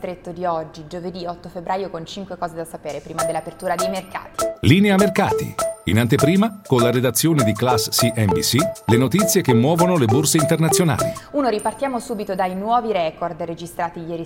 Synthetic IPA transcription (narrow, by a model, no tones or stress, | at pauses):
t̪ɾet̪ːod̪iɔd͡ʒːid͡ʒoved̪iɔt̪ːofebɾʔaːjokont͡ʃiŋkwekɔːzed̪asapeːɾepɾiːmad̪elːapert̪uːɾad̪ejmerka̰ːt̪i̥liːneamerkaːt̪ḭḭnant̪epɾiːmakonlaɾed̪at̪sːjoːned̪iklasːiʔɛmbḭsilenot̪it̪sːjekemːwɔːvonoleborseint̪ernat̪sːjona̰ːlḭuːnoɾipart̪jaːmosuːbit̪od̪ajnwɔːviɾɛkord̪red͡ʒist̪ɾaːt̪ijɛːɾi